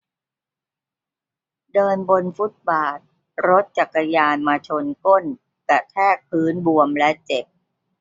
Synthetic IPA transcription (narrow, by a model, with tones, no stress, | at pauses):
dɤː˧nbo˧nfu˦˥t̪̚baː˨˩t̪̚ | ɾo˦˥t̪̚t͡ɕa˨˩kːa˧jaː˧nmaː˧t͡ɕʰo˧nko˥˩n | ka˨˩t̪ʰɛː˥˩k̚pʰːɯː˦˥nbu˧əmlɛ˦˥t͡ɕe˨˩p̚